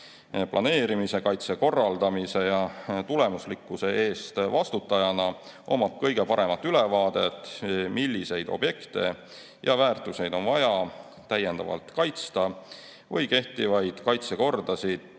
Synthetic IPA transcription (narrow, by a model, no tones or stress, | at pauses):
plʔɑ̰ne̞ːɾimise̞kɑjt̪se̞ko̞rːɑld̪̥ɑmise̞jɑt̪ule̞muslikːˑuse̞e̞ːst̪vɑst̪ut̪ːˑɑjɑnɑ | ʔo̞̰mɑt̪̚kɤjɡ̥e̞pɑɾe̞mɑt̪ːˑylevɑːd̪̥e̞t̪ːˑmilːise̞jd̪o̞̰b̥je̞kt̪e̞̰ | jɑvæːrt̪ˑuse̞jd̪o̞nvɑjɑ | t̪æjːe̞nd̪ɑ̰vɑ̰lt̪kɑjt̪st̪ɑ | vɤjke̞ht̪ivɑjd̪̥kɑjt̪se̞ko̞rd̪̥ɑsid̪̥